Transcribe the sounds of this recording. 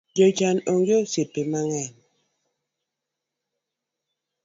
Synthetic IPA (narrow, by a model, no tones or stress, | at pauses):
d͡ʒot͡ʃanoŋɡjosipemaŋɛn